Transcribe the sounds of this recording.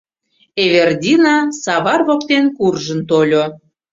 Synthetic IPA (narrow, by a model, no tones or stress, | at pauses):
eβerd̪ʲinɑsɑβɑrvokt̪enkurʒənt̪olʲo